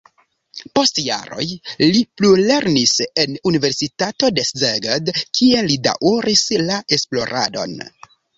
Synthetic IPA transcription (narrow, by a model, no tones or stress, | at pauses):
po̞stja̰ɾo̞̰jliplule̞ɾnise̞nunive̞ɾsitato̞deszeɡedkʰie̞lida̰ʔuɾislaʔe̞splo̞ɾʔa̰do̞̰n